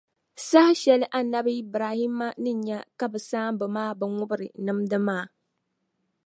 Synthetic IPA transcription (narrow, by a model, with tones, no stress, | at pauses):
sa˦ha˦ʃɛ˨lɨ˦ʔa˨na˦bi˦bɾaː˨hi˦mːa˦nɨ˦ɲɲa˦ka˦bɨ˨saː˦mbɨ˨maː˦bɨ˨ŋʊ˦bɨ˦ɾɨ˨nɨ˦mdɨ˦maː˦˨